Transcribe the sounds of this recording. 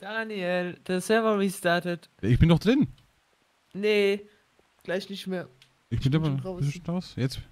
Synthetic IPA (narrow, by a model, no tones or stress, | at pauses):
d̥anjɛld̥ɛsɛvəɹistaːtətjaɪçb̥ɪndɔχd̥ʁɪn | ne | ɡ̥laɪçnɪçtmeːɐ | ʔɪçb̥ɪndabɐsnʁaʊsjɛt͡st